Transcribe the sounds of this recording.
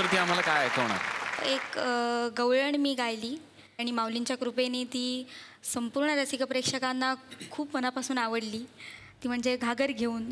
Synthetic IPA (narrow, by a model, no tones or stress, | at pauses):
t̪əɾt̪iːam̤alakajet̪oɽ̃a̰ekɡəʋɭəɳmiːɡʱajliː | aɽ̃imawlint͡ɕjakɾupenet̪iː | səmpuɾɳəɾasikəpɾekʂəkanːakʰuːpmənapasuːnaʋəɽliːt̪iːm̤əɳd͡zeɡʱaɡəɾɡʱeuːn